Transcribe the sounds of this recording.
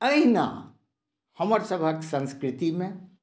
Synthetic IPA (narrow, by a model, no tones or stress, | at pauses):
əina̰ | hɐməɾsɐbʱaksɐ̃nskɾɪt̪imẽ